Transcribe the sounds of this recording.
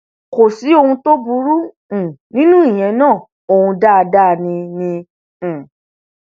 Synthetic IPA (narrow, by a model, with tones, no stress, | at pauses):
ko˨si˨˦o˧hũ˧to˦bu˧˦ɾũ˦˨ | nĩ˦nũ˦i˦˨j̃ɛ̃˧˦nãː˦˨ | o˧hũ˧da˦a˧da˦˨nĩ˧nĩ˧˨